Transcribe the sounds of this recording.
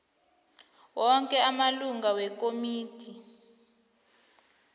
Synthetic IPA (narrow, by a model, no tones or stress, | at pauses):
wɔŋkʼɛamaluŋɡawɛkʼomiːtʰʼi